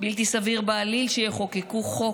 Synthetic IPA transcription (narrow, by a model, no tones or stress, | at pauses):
bilt̪̬isaviʁbaːlilʃejeχo̞kekuχo